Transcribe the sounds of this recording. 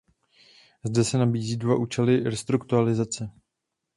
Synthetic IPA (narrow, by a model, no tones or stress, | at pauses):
zdɛsɛnabiːziːdvaʔuːt͡ʃɛlɪɾɛst̪ɾukt̪ualɪzat͡sɛ